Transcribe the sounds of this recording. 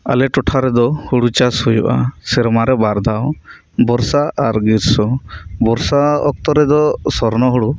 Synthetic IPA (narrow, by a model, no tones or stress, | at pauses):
a̰lɛʈɔʈʰaɾɛd̪ɔhuɽut͡ʃashujṵʔa̰sɛɾmaɾɛbaɾd̪ʱaw | bɔɾsaʔaɾɡiɾsɔbɔɾsaɔ̰k̚t̪ɔɾɛd̪ɔsɔɾnɔɦuɽu